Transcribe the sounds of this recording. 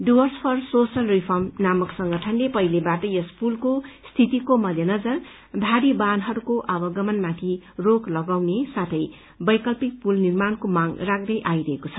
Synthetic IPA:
ɖibʌrspʰʌrsosʌlripʰʌrmnamʌksʌŋɡʌʈʰʌnlepʌilebaʈʌjʌspulkost̪ʰit̪ikomʌd̪jʌnʌd͡zʌr | d̪ʱaɾibanɦʌɾukoʔʌbʌɡʌmʌnmat̪ʰiroklʌɡawnesat̪ʰʌj | bʌjkʌlpik̚pulnirmankomaŋrak̚d̪ʌjʔajɾʌɦekot͡sʰʌ̥

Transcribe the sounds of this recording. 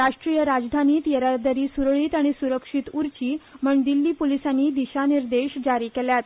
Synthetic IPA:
ɾaʂʈɾiːjəɾad͡zd̪ʱaniːt̪jəɾaɾd̪aɾiːsuɾɭiːt̪aɽ̃isuɾəkʂit̪uɾt͡ɕiːməɳd̪ilːiːpolisanːiːd̪iɕaniɾd̪eɕd͡ʑaɾiːkɛljat̪

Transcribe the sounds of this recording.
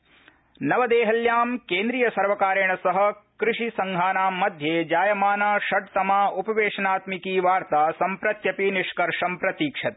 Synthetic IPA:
nɐʋɐd̪eːɦɐljaːmkeːnd̪ɾiːjɐsɐɾʋɐkaːɾɐɳɐsɐɦɐ̆kɾɪʂisɐŋɡʱaːnaːmːɐd̪ʱjeːd͡ʒaːjɐmaːnaːʃɐʈ̚t̪ɐmaːupɐʋeːʂɐnaːt̪mikiːʋaːɾt̪aːsɐmpɾɐt̪jɐpiniʃkɐɾʂɐmpɾɐt̪iːkʂɐt̪̚

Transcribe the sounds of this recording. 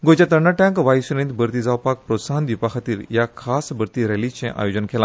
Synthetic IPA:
ɡod͡ʑat̪̬əɾɳaʈãŋkʋajsuɾẽnt̪bəɾt̪id͡zawpak̚pɾot̪saɦənd̪ʋipakʰat̪iːɾjakʰasbʱəɾt̪iɾɛlit͡ɕẽʔa̰jod͡ʑənkʰelã

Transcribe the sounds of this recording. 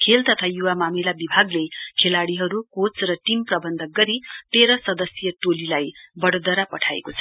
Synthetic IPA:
kʰelt̪ʌt̪ʰajuwamamilabibʱaɡlekʰelaɽiɦʌɾukot͡srʌʈimprʌbʌnd̪ʱʌɡʌɾit̪eɾʌsʌd̪ʌsjʌʈolilajbʌɽod̪ʌɾapʌʈʰaḛkot͡sʰʌ̥

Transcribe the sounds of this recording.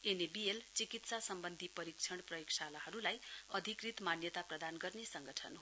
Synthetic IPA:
enebielt͡sikit̪sasʌmbʌnd̪ʱipʌɾik̚t͡sʰʌɽ̃prʌjoksalahʌɾulajʌd̪ʱikrit̪manjʌt̪aprʌd̪anɡʌrnesʌŋɡʌʈʰʌ̰n

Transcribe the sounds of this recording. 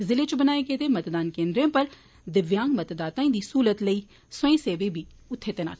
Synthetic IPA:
zɪlet͡ʃbənaːeɡeːt̪emɐt̪d̪aːnkẽːnd̪ɾejõːpəɾ | d̪ɪʋjãːŋɡmət̪d̪aːt̪ãĩːd̪iːsuːlət̪ləiː | səẽːseːʋebʱiː | ʊt̪ʰːeːt̪eːna̰ː

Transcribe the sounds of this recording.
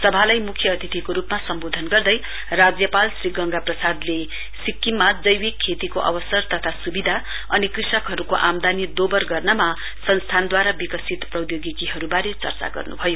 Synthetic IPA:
sʌbʱalajmukʰjʌːt̪ʰit̪ʰikoɾupmasʌmbod̪ʱʌnɡʌrd̪ʌj | rad͡zjʌpalsriɡʌŋɡaprʌsad̪le | sikːimːad͡zʌjwikʰːet̪ikoʔʌ̰bʌsʌrt̪ʌt̪ʰasubid̪ʱa | ʌnikrisʌkɦʌɾukoʔamd̪ʱanid̪obʌrɡʌrnʌma | sʌnst̪ʰand̪waɾabikʌsit̪prʌjoɡikiɦʌɾubaɾet͡sʌ̰rt͡sa̰ɡʌ̰rnṵbʱʌjo

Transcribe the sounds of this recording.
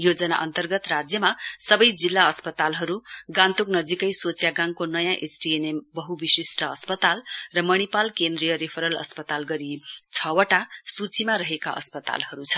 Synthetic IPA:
jod͡zʌnaʔʌnt̪ʌrɡʌt̪rad͡zjʌmasʌbʌjd͡zilːaʌspʌt̪alɦʌɾuɡãnt̪uknʌd͡zikʌjsot͡sjaɡãŋkonʌjãʔesʈienembʌɦubisisʈʌʌspʌt̪alrʌmʌɽ̃ipalkend̪rijʌɾipʰʌɾʌlʌ̰spʌt̪alɡʌɾit͡sʰʌwʌʈasut͡simaɾʌɦeka̰ʔʌ̰spʌt̪a̰lhʌɾut͡sʰʌ

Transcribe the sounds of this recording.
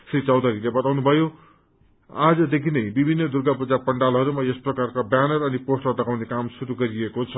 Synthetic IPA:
srit͡sʌwd̪ʱʌɾilebʌt̪awnubʱʌjo | ad͡zʌd̪ekʰinʌjbibʱinːʌd̪urɡapud͡zapʌɳɖalɦʌɾumajʌsprʌkarkabjanʌrʌniposʈʌt̪ʌkawnekamsuɾuɡʌɾiekot͡sʰʌ

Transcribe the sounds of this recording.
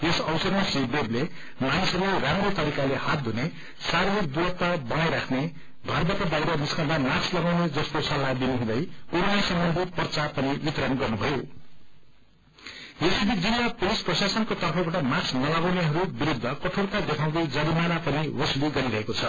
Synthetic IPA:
esʌwsʌrmasibeble | manisʌɾuleramɾot̪ʌɾikalehat̪̚d̪ʱune | saɾiikd̪uɾʌt̪ːabʌnajɾakʰne | ɡʱʌrbat̪ʌb̪ajɾʌniskãd̪amaslʌɡawned͡zʌskosʌlːad̪inuɦũd̪ʌjunːasʌmːʌnd̪ʱipʌrt͡sapʌniwit̪ɾʌnɡʌrnubʱʌjo | jesib̪ʱik̚d͡zilːapulisprʌsasʌnkot̪ʌrpʰʌbaʈʌmaksnʌlʌɡawneɦʌɾubiɾud̪ʱːʌkʌʈʰoɽk̪aɡʌt̪ʰaw̃ɡ̪ed͡zʌɽimanapʌniwʌsuliɡʌɾiɾʌɦekot͡sʰʌ

